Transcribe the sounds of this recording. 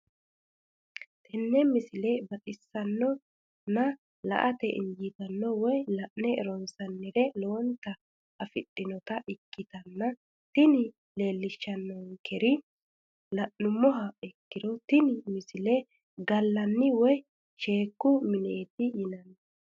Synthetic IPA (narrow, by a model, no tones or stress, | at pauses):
t̪ʰɛnːɛmɪsɪlɛbɐt̪ʼɪsːɐnːɔ | nɐ | lɐ̰ʔɐt̪ɛʔɪ̰nd͡ʒit̪ɐnːɔwɔjlɐʔnɛɛɾɔnsɐnːɪɾɛloːnt̪ɐ | ɐfɪɗʼːɪnɔt̪ɐʔɪkːɪt̪ɐnːɐ | t̪ɪnɪ | le̞ːlːɪʃːɐnːɔŋkʰɛɾɪ | lɐʔnʊmːɔɦɐɛkːɪd̪ɔt̪ɪnɪmɪsɪlɛ | ɡɐlːɐnːɪwɔj | ʃe̞ːkːʊmɪneːt̪ɪjɪnɐnː